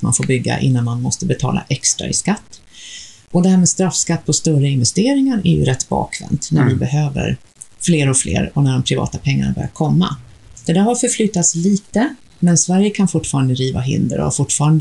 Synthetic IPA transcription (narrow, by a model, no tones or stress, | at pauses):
ma̰nfoːɾbʏɡːa̰ʔɪ̰nːanmanmɔst̪əbɛt̪ʰɑ̰ːla̰ʔɛkst̪ɾa̰ɪskat̪ː | ʔɔd̪ɛhæːɾmeːd̪st̪ɾafskat̪̚ːpʰɔst̪œrəɪnvɛst̪eːɾɪŋaɾæɾjɵ̰ɾɛt̪ːbɑ̰ːkʰvɛ̰nt̪næɾvɪbɛɦøːvə̰ɾ | fleːɾɔflʔḛːɾɔnæɖɔmpʰɾɪvɑ̰ːt̪apʰɛŋːanabœ̰ɾjat̪kʰɔmːa̰d̪̥ɛd̪æːɾhaɾfœɾflyt̪ːat̪sliːt̪ə | mɛnsvæɾjəkʰanfʊʈːfɑːɾand̪əɾiːvaɦɪ̰nd̪ə̰ɾɔ̰a̰ɾfʊʈːfɑːɾand̪ə